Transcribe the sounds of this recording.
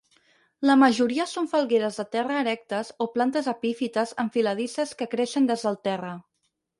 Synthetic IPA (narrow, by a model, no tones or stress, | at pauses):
ləməʒuɾiəsoɱfəlˠɣeɾəzðət̪ɛrəːɾɛk̚t̪əzoplant̪əzəpifit̪əzəɱfiləð̞isəskəkɾeʃənd̪ɛzðəlˠt̪ɛrə